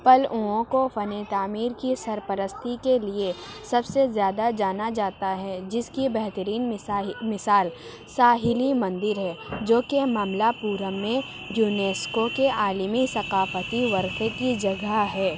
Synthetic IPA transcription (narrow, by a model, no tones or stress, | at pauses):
pɐlũõkofɐnet̪aːmiːɾkisɐɾpəɾəst̪ʰikeliesɐbsezjaːd̪ad͡ʒaːnad͡ʒaːt̪aɦɛd͡ʒɪskibɛɦt̪əɾiːnmɪsaːl | saːɦɪlimɐ̃nd̪ɪɾɦɛːd͡ʒoːkemaːmlapuːɾəmːẽ | juːneːskokeʔaːləmisɐqaːfət̪iʋɐɾxekid͡ʒɐɡaɦɛː